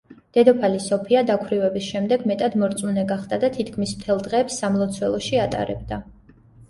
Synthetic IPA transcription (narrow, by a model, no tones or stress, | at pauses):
d̪̥ɛd̪ɔpʰalisɔpʰiad̪akʰɾivɛbisʃɛmd̪ɛɡmɛt̪ʼad̪mɔɾt̪sʼmunɛɡaχd̪ad̪at̪ʰit̪ʰkʰmismt̪ʰɛlˠd̪ʁɛːpsːamlˠɔt̪sʰwɛlˠɔʃiat̪ʼa̰ɾɛ̰b̚d̪a